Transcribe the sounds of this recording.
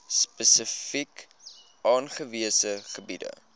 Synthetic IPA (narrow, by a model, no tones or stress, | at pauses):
spəsəfik | ʔɑːnχəviəsəχəbidə̰